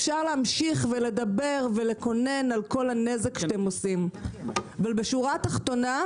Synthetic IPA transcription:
efʃaʁleamʃiχvele̞d̪abe̞ʁve̞leko̞ne̞nalko̞lhane̞ze̞kʃt̪emosim | avalbeʃuʁat̪aχt̪o̞na

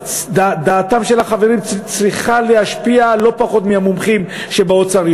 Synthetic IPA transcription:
d̪ad̪aːt̪amʃe̞laχave̞ʁimt͡sʁiχalehaʃpialo̞paχo̞t̪mehamumχim | ʃe̞baot͡saʁj

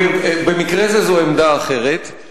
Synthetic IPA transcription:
be̞mikʁezezoemd̪aːχe̞ʁet̪

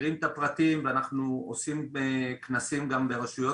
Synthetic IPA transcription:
ʁimt̪apʁat̪imveanaχnuosimeknasimɡambe̞ʁaʃujo

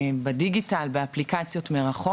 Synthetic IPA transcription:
bediɡitalbeaplikat͡sjo̞tmeʁaχo

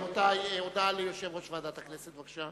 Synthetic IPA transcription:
mot̪ajod̪alijoʃevʁoʃvaːd̪at̪akneset̪vaɡḁʃa

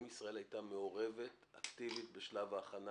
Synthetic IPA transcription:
misʁae̞lajt̪ameo̞ʁe̞ve̞t̪akt̪ivit̪beʃlavaːχana

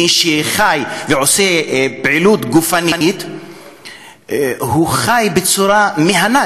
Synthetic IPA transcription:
iʃeχajveʕo̞sebʕilut̪ɡufanint̪ | huχajbet͡suɾameɦana

